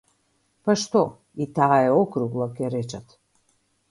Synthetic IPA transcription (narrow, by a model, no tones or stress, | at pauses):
paʃt̪ɔ | it̪aːɛɔkɾuɡlˠakɛɾɛt͡ʃat̪